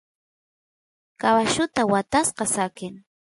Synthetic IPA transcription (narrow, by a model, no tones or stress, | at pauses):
kawaʃʊt̪awat̪asqɑsakɪŋ